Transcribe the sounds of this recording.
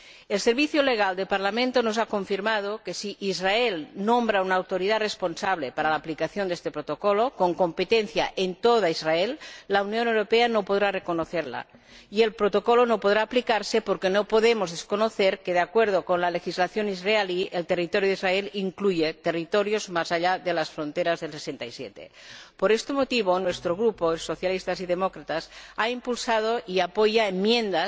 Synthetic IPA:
elseɾβiθjoleɣ̞ald̪elpaɾlamẽnt̪onoz̬akoɱfiɾmað̞okesiʔizraelnombɾaunaːwt̪oɾiðaresponsaβlepaɾalaːplikaθjond̪est̪epɾot̪okolokoŋkompet̪enθja̰ʔent̪oðaizraelːaunjonewɾopeanopoð̞ɾarekonoθeɾla̰ | ielpɾot̪okolonopoðɾaːplikaɾsepoɾkenopoðemozðeskonoθeɾkeð̞eakweɾð̞okonlalexizlaθjonizrealielt̪erit̪oɾjoðizraeliŋklujet̪erit̪oɾjozmazaʎaðelasfɾont̪eɾazðelsesent̪aisjḛt̪ḛpoɾest̪emot̪iβ̞onwest̪ɾoɣ̞ɾupoesoθjalist̪aziðemokɾat̪asaimpulsað̞oʔiapojaemmːje̞nd̪a

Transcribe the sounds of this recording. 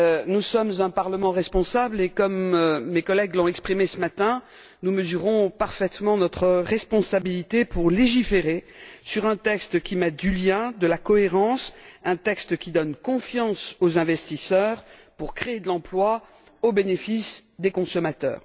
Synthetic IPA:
nusɔmzɛ̃paʁləmɑ̃ʁɛspɔ̃sablekɔmːekɔlɛɡlɔ̃ɛkspχimesəmat̪ɛ̃ | numəzyʁɔ̃paʁfɛt̪mɑ̃nɔt̪χəʁɛspɔ̃sabilit̪epʰuʁleʒifeʁesyʁɛ̃t̪ɛkst̪kʲimɛt̪̚d̪yljɛ̃d̪əlakɔeʁɑ̃sɛ̃t̪ɛkst̪kʲid̪ɔnkɔ̃fjɑ̃sozɛ̃vɛst̪isœʁpuʁkχeːd̪əlɑ̃plwa | obenefisd̪ekɔ̃sɔmat̪œ̰ːʁ

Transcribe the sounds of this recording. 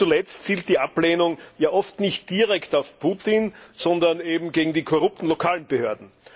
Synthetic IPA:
t͡sulɛt͡stt͡siːlt̚d̥iːʔapleːnʊŋjaːʔɔftnɪçt̚d̥iʁɛktaʊfpʰuːtɪnz̥ɔndɐneːbm̩ɡeːɡŋ̩diːkʰɔʁʊp̚tn̩lokʰaːlənb̥əhøːɐdn̩

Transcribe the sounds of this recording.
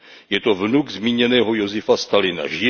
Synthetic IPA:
jɛt̪ovnuɡzmiːɲɛnɛːɦojo̞zɪfast̪alɪna̰ʒɪ

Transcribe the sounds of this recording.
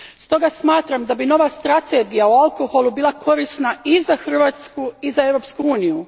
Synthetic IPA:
st̪o̞ɡasmaːt̪ɾamd̪abino̞ʋast̪ɾat̪e̞ɡijaualˠko̞xo̞lˠubiːlˠakʰo̞ɾisnaizaxr̩ʋaːt̪skuizae̞vɾo̞ːpskuuːniju

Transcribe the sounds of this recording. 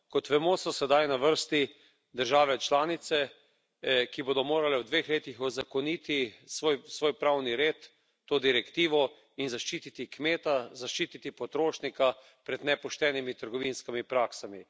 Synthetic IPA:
kɔt̪ʋɛmoːsɔsɛd̪ajnaʋəɾst̪i | d̪əɾʒaːʋɛt͡ʃlaːnit̪sɛ | kiboːd̪ɔmoːɾalɛwd̪ʋexleːt̪ixɔzakɔniːt̪isojsʋoːjpɾawniɾeːt̪ː | oːd̪iɾɛkt̪iːʋɔ | inzaʃt͡ʃiːt̪it̪ikmeːt̪azaʃt͡ʃiːt̪it̪ipɔt̪ɾoːʃnika | pɾɛd̪nɛpɔʃt̪ɛːnimit̪əɾɡɔʋinskimipɾaːksami

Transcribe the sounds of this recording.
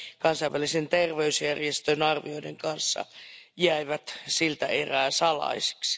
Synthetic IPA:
kɑnsɑiʋælisent̪erʋeysjærjest̪ønɑrʋio̞ideŋkɑnsːɑ̰jæiʋæt̪silt̪æʔeræːsɑlɑ̰isi̥ksi̥

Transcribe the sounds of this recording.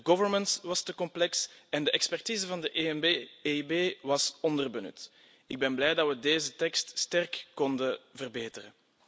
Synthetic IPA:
dəɡɔvənməntʋɑstəkɔmplɛksɛndəʔɛkspɛrtiːzəvɑndəʔeibeːʋɑsɔndərbənʏ̰t | ɪɡ̚bɛnblɛːjdɑtʋədeːzətɛkststɛrkːɔndəvərbeːtərən

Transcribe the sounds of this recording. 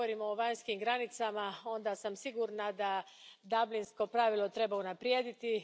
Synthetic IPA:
oɾimo̞ːʋaɲskimɡɾanit̪samao̞nd̪asamsiɡuɾnad̪a | d̪ablinsko̞pɾaʋilˠot̪ɾe̞baunapɾjeːd̪it̪i

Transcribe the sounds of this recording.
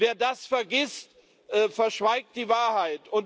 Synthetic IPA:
veːɐdasfɛɐɡɪst | ʔəːfɛɐʃv̥aɪk̚t̚d̥iːvaːɐhaɪtʊn

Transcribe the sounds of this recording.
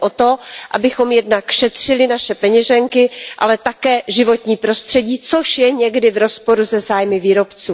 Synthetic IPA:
ʔot̪oʔa̰bɪxo̞mjɛdnakʃɛt̪r̝̥ɪlɪnaʃɛpɛɲɛʒɛŋkɪʔa̰lɛt̪akɛːʒɪvo̞t̪ɲiːpɾo̞st̪r̥ɛɟiːt͡soʃjɛɲɛɡdɪvɾo̞spo̞ɾuzɛzaːjmɪviːɾo̞pt͡suː

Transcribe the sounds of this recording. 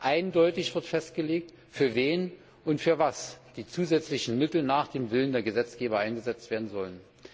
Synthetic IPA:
ʔaɪndɔʏtɪçv̥ɪɐtfɛstɡ̥əleːk̚t | fyːɐveːn | ʔʊntfyːɐvasd̥iːt͡suːzɛt͡slɪçn̩mɪtl̩naːχd̥eːmvɪləndeːɐɡəzɛt͡sɡ̥eːbɐʔaɪnɡəzɛt͡stv̥eːɐdn̩zɔlən

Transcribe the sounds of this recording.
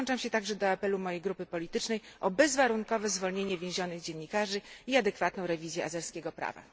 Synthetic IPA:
nt͡ʂamɕɛt̪aɡʐɛd̪ɔapɛlumɔjejɡɾupɘpɔlʲit̪ɘt͡ʂnɛjʔɔbɛzvaɾuŋkɔvɛzvɔlɲeɲɛvʲjẽw̃ʑɔnɘɣd͡ʑɛnːikaʐɘiad̪ɛkfat̪n̪ɔ̃w̃ɾɛvʲizʲjɛazɛɾskʲeɡɔpɾa̰va̰

